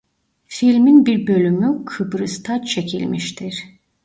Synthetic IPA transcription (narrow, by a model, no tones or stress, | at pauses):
filʲminbiɾbø̞lʲymykʰɯbɾɯst̪ʰat͡ʃʰe̞cʰḭlʲmiʃt̪ʰiɾ̥